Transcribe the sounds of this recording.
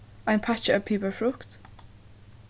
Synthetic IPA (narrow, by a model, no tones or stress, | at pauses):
ãɪ̃npʰat͡ʃəəpʰiˑbəfɹukt